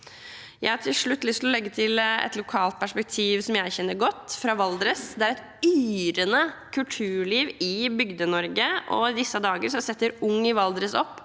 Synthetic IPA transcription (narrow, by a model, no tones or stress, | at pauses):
jæɪhɑʈʰɪlʂɭʉt̪ːlʏst̪ɪlɔlɛɡːət̪ʰɪlɛ̰t̪lʊkʰɑːlt̪̚pʰæʂpɛk̚t̪ʰiːʋsɔmjæɪçɛnːəɾɡɔt̪ːfɾɑːʋɑld̪ɾəsd̪ɛæɾɛt̪ | yːɾənəkʰʉlt̪ʰʉːɭiːʋɪbʏɡd̪ənɔɾɡəʔɔd̪ɪsːəd̪ɑːɡəɾʂɔsɛt̪ːəɾʊŋːɪʋɑld̪ɾəsɔpː